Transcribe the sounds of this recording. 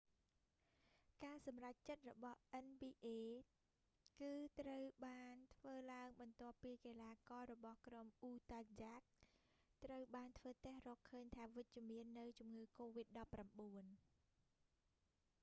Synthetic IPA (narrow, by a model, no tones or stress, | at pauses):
kaːsɑmrac̚t͡ɕət̪̚rɔɓɑhʔɛnɓiːʔeː | kɨːt̪rəwɓaːnt̪ʰʋəːlaəŋɓɑnt̪ŏəpːiːkeːlaːkɑːɾɔɓɑhkromʔuːt̪ad͡ʑaːk̚ | t̪rəwɓaːnt̪ʰʋəːt̪ĕhrɔːkʰːəːɲt̪ʰaːʋɨc̚t͡ɕŭəmiənːɨwt͡ɕumŋɨːkoːʋit̪̚ɗɑpːramɓuən